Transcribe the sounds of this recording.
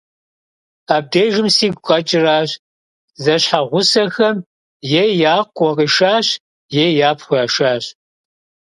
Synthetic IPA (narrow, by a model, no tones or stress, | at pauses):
aːb̚dejʒɪmsiːɡʷqʼɐt͡ʃʼɪraːɕ | zɐɕħaʁʷʊsɐxɐm | jejaːqʷʼɔqʼiːʃaːɕ | jejaːpʰχʷʊaːʃaːɕ